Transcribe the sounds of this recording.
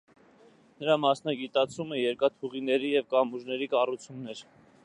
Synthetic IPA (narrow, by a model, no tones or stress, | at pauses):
nəɾɑmɑsnɑɡit̪ɑt͡sʰumɛjɛɾkɑt̪ʰuʁinɛɾijɛvkɑmuʒnɛɾikɑrut͡sʰjunːɛɾ